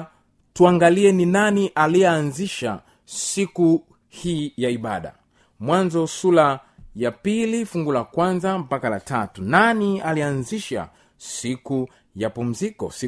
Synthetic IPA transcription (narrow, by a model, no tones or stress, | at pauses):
tuaŋɡaliɛninaniʔaliɛanziʃa̰ | siku | hiːjaiɓaɗa̰ | mwanzɔsulajapilifuŋɡulakwanzam̩pakalatatunanialianziʃa̰ | siku | japum̩zikɔ̰s